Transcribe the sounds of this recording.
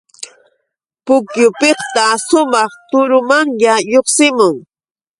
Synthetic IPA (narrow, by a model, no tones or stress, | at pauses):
pʊkjʊpeχt̪aʃʊmɑχt̪ʊɾʊmaŋjajoχsɪmʊŋ